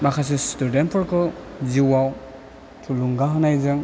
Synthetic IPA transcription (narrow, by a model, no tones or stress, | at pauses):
makʰas̬estudenpʰɔɾkɯziwaw | tʰuluŋɡaɦɯnajzɯŋ